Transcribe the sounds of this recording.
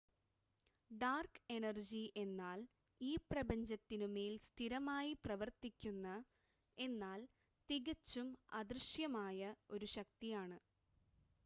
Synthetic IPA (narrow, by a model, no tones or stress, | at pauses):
ɖaːrke̞nɐrd͡ʑiʔe̞nːaːl | iːprɐbɐɲd͡ʑɐt̪ːinumeːlst̪ʰiɾɐmaːjiprɐʋɐrt̪ikʲːunːɐ | e̞nːaːl | t̪iɣɐt͡ɕːumɐd̪rɨɕjɐmaːjɐo̞ɾuɕɐk̚t̪ijaːɳɨ